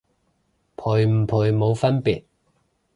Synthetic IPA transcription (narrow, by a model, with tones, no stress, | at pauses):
pʰʊː˨˩jm̩˨˩pʰʊː˨˩jmo˨˧wfɐ˥npḭ˨˩t̚